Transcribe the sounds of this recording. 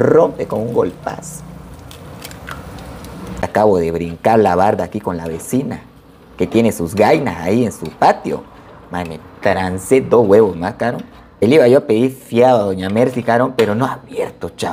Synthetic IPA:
ro̞mpekonuŋɡo̞lpa̰s | akaβo̞ðe̞βɾiŋkaɾlaβaɾdaːkiko̞nlaβe̞sina | ke̞t̪jene̞suzɣajnasaiensupat̪jo̰ | manet̪ɾansed̪ozɣwe̞βozmaskaɾon | eliβaʝoape̞ðiɾfjaðaðoɲameɾsikaɾompe̞ɾo̞noaβjeɾt̪ot͡ʃa

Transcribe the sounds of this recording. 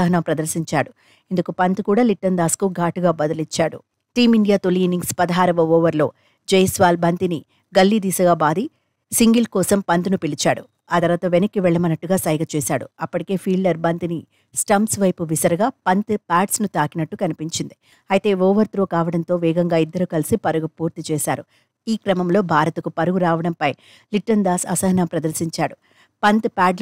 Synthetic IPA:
ɐɦɐnɐmpɾɐd̪ɐɾsiɲt͡ʃaːɽu | ind̪ukupɐnt̪ukuːɽaːliʈːɐnd̪aːskuɡʱaːʈuɡaːbɐd̪ɐlit͡ʃːaːɽṵ | ʈiːmiɳɖijaːt̪oliːniŋɡspɐd̪ɐɦaːɾɐʋɐɔːʋɐɾlo̞ː | d͡ʒɐjɐsʋaːlbɐnt̪ini | ɡɐlːid̪iːsɐɡaːbaːd̪i | siŋɡilkɔːsɐmpɐnt̪unupilit͡ʃaːɽṵ | aːt̪ɐɾɐʋaːt̪ɐʋenɐkːiʋɛɭːɐmɐnɐʈːuɡaːsɐjɡɐt͡ʃɛːsaːɽṵɐpːɐʈike̞ːpʰiːɭɖɐɾbɐnt̪ini | sʈɐmsʋɐjpuʋisɐɾɐɡaːpɐnt̪paːʈsnut̪aːkinɐʈːukɐnipiɲt͡ʃind̪i | ɐjt̪e̞ːɔːʋɐɾt̪ɾoːkaːʋɐɽɐnt̪o̞ːʋɛːɡɐŋɡaːid̪ːɐɾukɐlisipɐɾuɡupuːɾt̪it͡ʃɛːʃaːɾu | iːkɾɐmɐmlo̞ːbʱaːɾɐt̪ɐkupɐɾuɡuɾaːʋɐɽɐmpɐj | liʈːɐnd̪aːsɐsɐɦɐnɐmpɾɐd̪ɐɾsiɲt͡ʃaːɽu | pɐnt̪paːɖ

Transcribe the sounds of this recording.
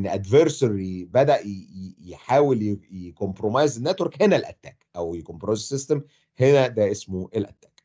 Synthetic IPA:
nːʔæd̪veɾsɑɾibæd̪æʔjeħaːweljjekompɾomɑjzenːæt̪weɾkhenælʔæ̰t̪ːæːkʔæwjekompɾomɑzsest̪em | henæd̪æʔesmoʔelʔæt̪ːæːk

